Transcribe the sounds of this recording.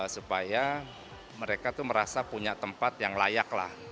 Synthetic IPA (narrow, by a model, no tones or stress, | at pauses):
supaja | məɾekat̪uməɾasapuɲaʔt̪əmpat̪jaŋla̰jakla̰h